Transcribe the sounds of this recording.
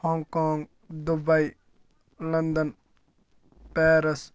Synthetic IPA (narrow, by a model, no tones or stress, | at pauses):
hɔːŋkɔːŋɡ | d̪ubɐj | lɐnd̪ən | pɛːɾɐs